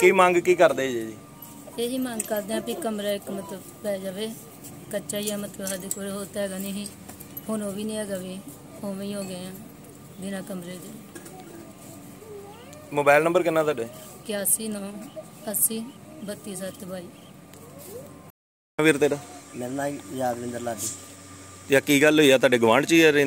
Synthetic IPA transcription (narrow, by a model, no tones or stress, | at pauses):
kiːmãːŋɡkiːkəɾd̪eːd͡ʒeːd͡ʒiː | eːɦiːmãːŋɡkəɾd̪eːãːpiːkəmɾaːɪkmət̪ləbːɛːd͡ʒaːʋeː | kət͡ʃaːjaːmət̪ləbɦad̪ekoːɾeːɦoːt̪ɛːɡaːniːɦiː | honoːʋiːnĩːɦɛːɡaːʋiː | oːʋĩːɦoːɡeːãː | bɪnãːkəmɾeːd͡ʒ̪eː | moːbaːlnəmbəɾkɪnːãːt̪aːɖeː | kjaːsiːnãː | əsiː | bət̪ːiːs̬aːt̪bʱaːiː | ʋiːɾt̪eːɽaːmeɾnaːjaːd̪ʋɪ̃nd̪əɾlaːd͡ʒiːt̪jaːkiːɡəlɦoːijaːt̪̬aːɖeːɡʊʋãːɳɖt͡ʃiːaɾe